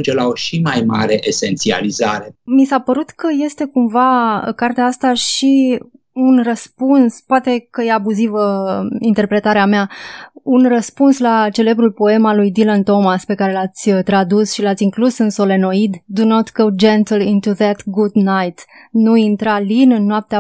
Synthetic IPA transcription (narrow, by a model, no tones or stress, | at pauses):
nd͡ʒelao̞ʃimajmaɾe̞ʔese̞nt̪sia̰lizaɾemisapəɾut̪kəje̞st̪e̞kumva̰kart̪eaast̪aʃi | unrəspunspoat̪e̞kəje̞abuzivəint̪e̞rpɾe̞t̪aɾeameaunrəspunslat͡ʃe̞le̞bɾulpo̞e̞malujd̪ilant̪o̞maspe̞kaɾe̞lat̪sʲət̪ɾad̪usʃilat̪sʲiŋklusɨnso̞le̞no̞id̪d̪unot̪ɡod͡ʒẽnt̪lĩnt̪uðæt̪ɡud̪najt̪nuint̪ɾalinɨnːoap̚t̪ea